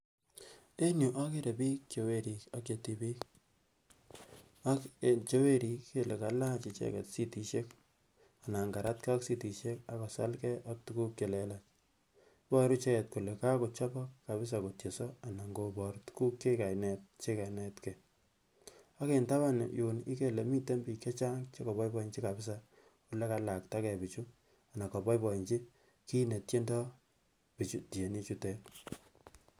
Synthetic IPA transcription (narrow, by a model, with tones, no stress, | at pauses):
e˦ɲu˨ʔa˦ke˦ɾe˨biː˦k̚t͡ʃe˨we˦ɾi˨ka˦kje˨ti˦bi˦k | a˦kt͡ʃe˦we˦ɾi˨˦kːe˦le˨ka˨la˦t͡ʃi˨t͡ʃɛ̰˦kɛ̰˨tsi˦ti˨ʃe˦k | a˨na˨ŋɡa˨ɾa˦tka˦ksi˦ti˨ʃe˦ka˦ka˨sa˦lkɛ˦ʔa˦k̚tu˦ku˦kje˨lɛla˨t͡ʃ | bɔ˦ɾu˦t͡ʃe˦ɛ˨t̚ko˨le˨ka˦ko˨t͡ʃa˦bɔ˦kːa˨bɪ˦s̬a˨ko˨tje˨sɔ˦a˨na˨ŋɡo˨bɔ˨ɾtu̥˦ku˦kːe˦ka˨nɛ˨t̚t͡ʃe˦ka˨nɛ˨tkɛ˨ | a˦ke˨nta˦βa˦n̰˨ju˨nɪ̰˦ke˨le˨mi˦te˦mbi˨ke˦t͡ʃa˦ŋt͡ʃe˦kɔ˨bɔ˦jbɔ˦i˨ɲt͡ʃi˦ka˨bɪ˦s̬a˨ | u˨le˦ka˨la˨k̚ta˦kɛ˨pi˨t͡ʃu˦ | a˨na˨kɔ˨bɔ˦jbɔ˨i˨ɲt͡ʃi˦ | ki˦ne˨tje˦ndɔ˦ | pi˨t͡ʃu˦te˨ni˦t͡ʃu˦tɛ˦